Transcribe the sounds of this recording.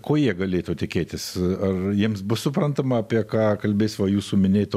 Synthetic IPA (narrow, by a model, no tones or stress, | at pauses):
koːjiɛɡɐlʲeːt̪ot̪ʲɪkʲeːt̪ʲɪsɐrjiɛmsbʊssʊpɾrɐnt̪ɐmɐɐpʲiɛkɑːkɐlʲbʲeːsʲʋɐjuːsuːmʲɪnʲeːt̪ː